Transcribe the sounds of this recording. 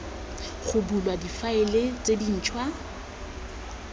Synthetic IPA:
χʊbulwadifaɪlet͡sʼedin̩ːt͡ʃʰʼwa

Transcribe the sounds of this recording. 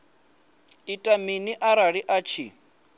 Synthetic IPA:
itʼaminiʔaɾaɺiʔat͡ʃʰḭ

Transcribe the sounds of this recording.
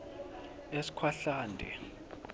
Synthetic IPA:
esi̥kʰwaɬaːndʱɛ̰

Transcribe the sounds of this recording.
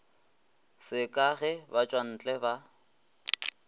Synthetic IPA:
sɪkʼaɣɛbat͡ʃʼwan̩t͡ɬʼɛba

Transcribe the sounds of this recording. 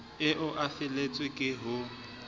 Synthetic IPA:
ɪʔʊʔafɪlet͡sʼwɪkʼɪɦʊ

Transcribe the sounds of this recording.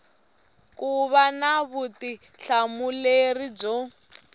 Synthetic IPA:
kuβanaβuti | ɬamulerid͡zo

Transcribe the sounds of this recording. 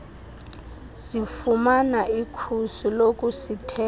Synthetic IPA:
zifumanaikʰusulokʼusitʰɛ

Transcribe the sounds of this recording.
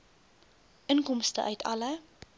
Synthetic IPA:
ʔənkɔmstə̰ʔœɥtʰɐlə

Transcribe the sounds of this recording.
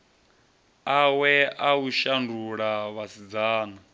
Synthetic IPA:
awɛauʃanduɺaβasid͡zaːna

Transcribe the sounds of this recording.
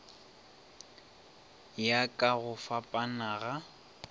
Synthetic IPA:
jakʼaɣʊfapʼanaɣa

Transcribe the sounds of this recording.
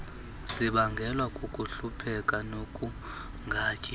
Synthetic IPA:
ziɓaŋɡʱɛlwakʼokʼuɬupʰɛkʼanokʼu | ŋɡʱaːt͡ʃʼi

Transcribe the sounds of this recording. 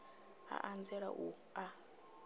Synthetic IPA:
a̰ʔand͡zɛɺa̰ʔu | a

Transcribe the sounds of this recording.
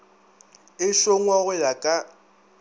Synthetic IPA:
ɪʃoŋwaɣʊlakʼa

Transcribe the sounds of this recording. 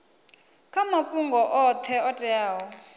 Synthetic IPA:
kʰamafuŋɡɔʔɔt̪ʰɛɔtʼɛjaːwɔ

